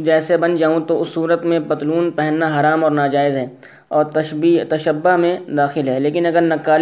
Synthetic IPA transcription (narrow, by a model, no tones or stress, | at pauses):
d͡ʒɛːsebɐnd͡ʒaːũt̪oʊsːuːɾət̪mẽbɐt̪luːnpɛɦɛ̃nːaɦɐɾaːmɔːɾnaːd͡ʒaːɪzɦɛː | ɔːɾt̪ɐit̪ɐʃəbːʊɦmẽd̪aːxɪlɦɛːleːkɪnɐɡəɾnɐkːaːl